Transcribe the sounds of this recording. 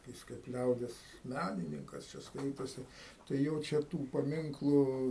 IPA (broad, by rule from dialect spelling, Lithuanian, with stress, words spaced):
ˈjɪs kɐɪp ˈlʲɛʊdʲiɛs ˈmʲænʲɪnʲɪŋkɐs ˈt͡ʃʲɛ ˈskɐɪtoːsʲɪ tɐɪ ˈjoː t͡ʃʲɛ ˈtuː pɐˈmʲɪŋklˠʊ